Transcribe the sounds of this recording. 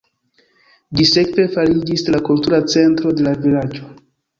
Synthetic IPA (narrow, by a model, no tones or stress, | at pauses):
d͡ʒise̞kve̞faɾid͡ʒislakultuɾat͡se̞ntɾo̞de̞lavilad͡ʒo̞